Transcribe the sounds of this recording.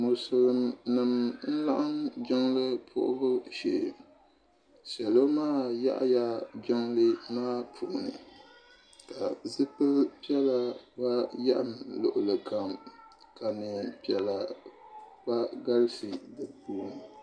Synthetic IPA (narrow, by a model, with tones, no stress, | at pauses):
mʊ˨sʊ˨ɣɨ˨mnɨ˨mn̩˦la˦ʔa˦nd͡ʒɔ˦ŋlɨ˦pʰʊ̰˦ʔʊ̰˦bʊ˦ʃe˨ | ʃɛ˨lo˦maː˦˨ja̰˦ʔja˦d͡ʒɔ˦ŋlɨ˦maː˦pʰu˨ʔnɨ̰˨ | ka˨zɨ˦pɨ˦lpi˦ɛ˦la˨ba˦ja̰˦ʔa˦mlʊ˨ʔʊ˨lɨ˨ka˨m | ka˨nɨ˨pi˨ɛ˨la˨ | ba˦ɡa˦lsi˨dɨ˨puː˦n˨